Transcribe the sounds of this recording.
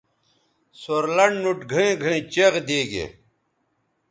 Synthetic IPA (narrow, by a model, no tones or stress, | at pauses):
soɾlɐɳɖnuʈɡʱɐẽːɡʱɐẽːt͡ɕeɣd̪eːɡḛ